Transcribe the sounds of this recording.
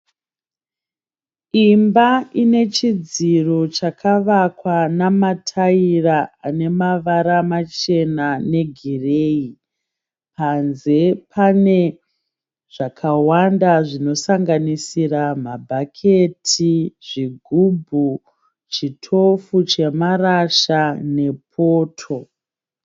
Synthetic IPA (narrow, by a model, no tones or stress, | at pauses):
imbaine̞t͡ʃid͡ziro̞t͡ʃakʰaʋakwanamatʰairaane̞maʋaɾamat͡ʃe̞nane̞ɡʱire̞ːi | panze̞pʰane̞ | ʐ̥akʰawandaʐino̞saŋɡanisiramabʱakʰe̞tʰiʐ̥iɡʱubʱu | t͡ʃitʰo̞fut͡ʃe̞maraʃane̞pʰo̞ːtʰo̞